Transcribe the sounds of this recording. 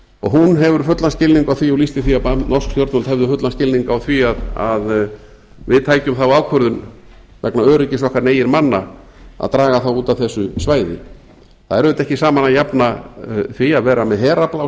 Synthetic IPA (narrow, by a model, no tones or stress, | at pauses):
ɔ̰ɣɦunɦɛvʏɾ̥fʏt̪lascɪlniŋkawθviawlist̪ɪθiapanɔ̥skst̪jɔɾt̪nɔlt̪hɛvðʏfʏt̪lanscɪlniŋkaːawθviaða̰ð | vɪðt̪ʰaːjcʏmθawawkʰœɾðʏn | vɛknaœːɾɪcɪsɔhkvaɾneːjɪɾmanːa | a̰ðt̪ɾaːɣaθawuːt̪aθɛsːʏsvaːjðɪ̰ | θaðɛɾvʏɪt̪ɛhcɪsaːmanajapnaθviaðvɛːɾamɛðɦɛːɾaplaw